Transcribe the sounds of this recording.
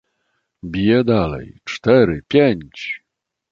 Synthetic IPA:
bʲijɛd̪alɛ̰jt͡ʂt̪ɛɾɘpʲjeɲt͡ɕ

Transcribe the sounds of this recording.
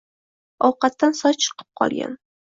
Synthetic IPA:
ɒwqɑt̪ːansɒjt͡ʃʰɨ̥qʰɨ̥p̚qʰɒ̰lˠɡʲa̰n

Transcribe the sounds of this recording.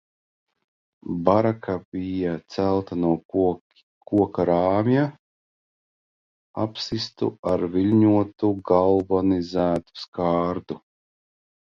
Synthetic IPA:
baɾakʰabijat̪sælˠt̪anuɔ | kuɔkaɾaːmja | a̰psist̪ṵaɾviʎʲɲuɔt̪uɡalˠbɔnizæːt̪u̥skaːɾd̪u

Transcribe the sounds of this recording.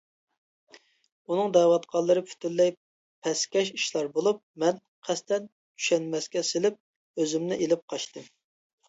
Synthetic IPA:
unɨŋd̪ɛwɑt̪qʰɑlˠːɨɾɨpʰy̥t̪ʰylːɛj | pʰɛskʲɛʃiʃlˠɑɾbolˠup̚mɛn | qʰæst̪ɛn | t̪ʰy̥ʃɛnmɛskʲɛsɪlɪp̚ | øzymnɪʔelɪp̚qʰɑʃt̪ɨm

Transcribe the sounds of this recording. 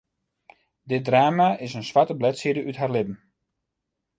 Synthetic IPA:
dɪt̚draːmaɪsənsʋatəblɛtsidəʔytɦarlɪpn̩

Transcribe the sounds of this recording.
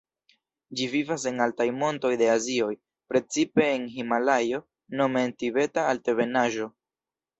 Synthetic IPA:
d͡ʒivivas̬e̞ŋaltajmo̞nto̞jde̞azio̞j | pɾe̞t͡sipe̞ːnɦimalajo̞ | no̞mentibe̞taːlte̞ve̞naʒo̞

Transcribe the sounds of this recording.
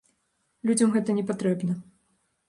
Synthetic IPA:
lʲud͡zʲɐmɣɛt̪ɐnʲɛpat̪ɾɛbnɐ

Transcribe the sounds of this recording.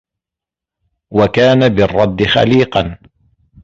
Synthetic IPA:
wakaːnabɪrˤːɑd̪ːɪxa̰liːqɑn

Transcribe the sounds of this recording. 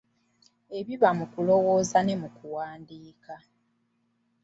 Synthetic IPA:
e̞βiβamukulo̞wo̞ːzane̞mukuwaːndiːka

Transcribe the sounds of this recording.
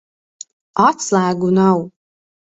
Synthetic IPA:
at̪slˠæːɡunaw

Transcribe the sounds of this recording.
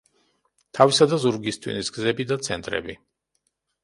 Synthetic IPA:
t̪ʰavisad̪azuɾɡist̪ʰʼwḭnisɡzɛbid̪at̪sʰɛ̰nt̪ʼɾɛ̰bi

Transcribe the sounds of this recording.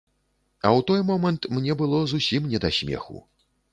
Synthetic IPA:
ɐwt̪ɔjmɔmɐnt̪mnʲɛbɨlˠɔzusʲimnʲɛd̪asʲmʲɛ̰xṵ

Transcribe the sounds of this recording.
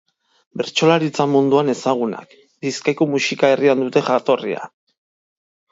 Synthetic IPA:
be̞ɾt͡so̞laɾit͡samund̪uane̞saɣ̞una̰k | d̪iskajko̞musikae̞riand̪ut̪e̞xat̪o̞rḭa̰

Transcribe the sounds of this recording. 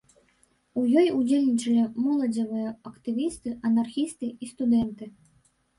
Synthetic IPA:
ujɔjud͡zʲelʲnʲit͡ʂɐlʲimɔlˠɐd͡zʲɐvɨjɐɐkt̪ɨvʲist̪ɨɐnarxʲist̪ɨist̪ud̪ɛnt̪ɨ

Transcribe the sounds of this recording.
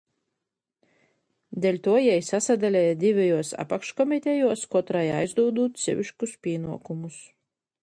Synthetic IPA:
d̪ʲɛlʲt̪uɔjɛjsasad̪alʲɛjd̪ʲivʲɛjuɔsa̰pakʃkɔmʲit̪ʲɛjuɔskɔt̪ɾaja̰jzd̪uːd̪uːt̪̚sʲɨ̰ʋʲiʃkuspʲiːnuɔkumus

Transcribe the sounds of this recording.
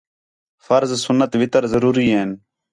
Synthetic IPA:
fəɾzsʊnːət̪ʋɪt̪əɾzəɾuːɾiːɦeːn

